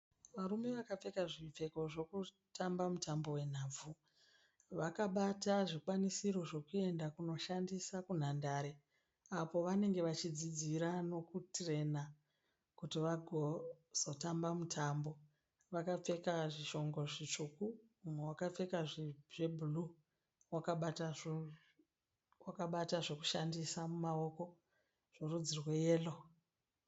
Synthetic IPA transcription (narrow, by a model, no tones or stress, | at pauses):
ʋaɾume̞ʋakap͡fe̞kaʐip͡fe̞ko̞ʐo̞ku | tʰambamutʰambo̞we̞n̤aːb͡vu | ʋakaɓataʐikwanisiɾo̞ʐo̞kue̞ndakuno̞ʃandisakun̤andaɾe̞ | apo̞ʋane̞ŋɡe̞ʋat͡ʃid͡zid͡ziɾano̞kutre̞na | kutiʋaɡʱoz̥o̞tambamutʰambo̞ | ʋakap͡fe̞kaʐiʃo̞ŋɡo̞ʐit͡ʂukuː | mwewakap͡fe̞kaʐiʐebʱulu | wakaɓata | wakaɓataʐo̞ku̥ʃandisamumao̞ko̞ | ʐ̥orud͡zirwe̞jeːlo̞